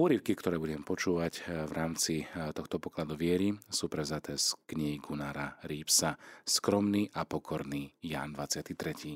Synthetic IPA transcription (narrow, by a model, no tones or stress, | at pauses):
ɔːɾiʊkikt̪ɔɾɛːbuɟɛmpɔt͡ʃuːʋacʋɾʔaːmt͡sit̪ɔxt̪ɔpɔklad̪uʋɪɛɾisuːpɾɛʊzat̪ʰɛːskɲiɦiɡunaːɾaɾiːpsaskɾɔmniːʔapɔkʰɔɾniːja̰ːnd̪ʋat͡sɪat̪it̪ɾɛcʰiː